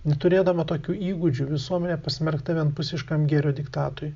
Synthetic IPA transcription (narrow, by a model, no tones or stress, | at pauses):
nʲɛt̪ʊɾʲeːd̪ɐmɐt̪oːkʲuːiːɡʊd͡ʒʲuːʋʲɪsuɔmʲɛnʲeːpɐsʲmʲɛɾkt̪ɐʋʲiɛnt̪pʊsʲɪʃkɐmɡʲɛɾʲoːd̪ʲɪkt̪ɑːt̪oɾʲʊ